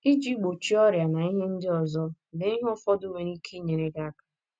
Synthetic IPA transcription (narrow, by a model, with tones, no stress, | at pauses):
i˦d͡ʒi˦ɡ͡bo˨t͡ʃi˦ɔ˦ɾja˨na˨i˦ɦe˦n̩˦dɪ˦ɔ˨zɔ˦ | ne˦i˦ɦʊ˦fɔ˦dʊ˦me˨ni˦kʰe˦ɲe˨ɾe˦ɡa˦kḁ˨